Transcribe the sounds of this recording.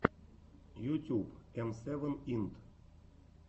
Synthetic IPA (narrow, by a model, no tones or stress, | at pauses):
jut̪ʲupemsevənint̪